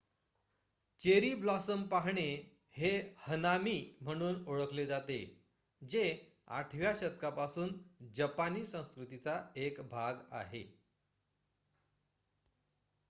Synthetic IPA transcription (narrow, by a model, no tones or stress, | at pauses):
t͡ɕeɾiːblɔsəmpaɦɳe | hehənamiːm̤əɽ̃uːnoɭəkled͡zat̪e | d͡ʑe | a̰ʈʰʋjaɕət̪̚kapasuːnd͡ʑəpaniːsə̃w̃skɾut̪it͡saekbʱaɡa̰ɦḛ